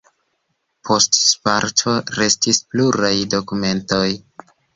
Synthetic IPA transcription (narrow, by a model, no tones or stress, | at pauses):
pʰo̞stspaɾtʰo̞ɾe̞stispluɾajdo̞kume̞nto̞j